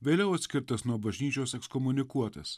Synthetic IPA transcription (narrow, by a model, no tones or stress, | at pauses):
ʋʲeːlʲɛʊɐt̪ʲsʲkʲɪɾt̪ɐsnuɔbɐʒʲnʲiːt͡ʃʲoːsɛkskɔmʊnʲɪkuɔt̪ɐs